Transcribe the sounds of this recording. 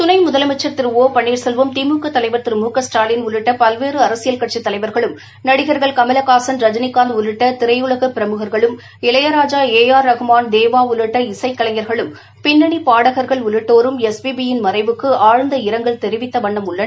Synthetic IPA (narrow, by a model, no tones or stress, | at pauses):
t̪ʊnɐɪmʊðɐlɐmɛt͡ʃːɐɾt̪ɪɾɯʋoːpɐɳːiːɾsɛlʋɐmt̪iːmuːkɐt̪ːɐlɐɪʋɐɾt̪ɪɾɯmuːkɐsʈaːlɪnʊlɯʈːɐpɐlʋeːrɯɐɾɐsɪjɐlkɐʈ̚t͡ʃːit̪ːɐlɐɪʋɐɾɣɐɭɯm | nɐɽɪɣɐɾɣɐɭkɐmɐlɐkaːsɐnɾɐd͡ʒɐnɪkːaːnd̪ʊlɯʈːɐt̪ɪɾɐɪʊɭɐɣɐpɪɾɐmɯɣɐɾɣɐɭɯm | ɪlɐjɐɾaːd͡ʒaːeːjaːɾːɐɣɯmaːnd̪eːʋaːʊlɯʈːɐɪsɐɪkːɐɭɐŋɐɾɣɐɭɯm | pɪnːɐɳipaːɽɐɣɐɾɣɐɭʊɻɯʈːoːɾɯmɛspibijɪnmɐrɐɪʋɯkːɯaːɻɯnd̪ɐɪɾɐŋɡɐɭt̪ɛɾɪʋɪt̪ːɐʋɐɳːɐmʊɭːɐ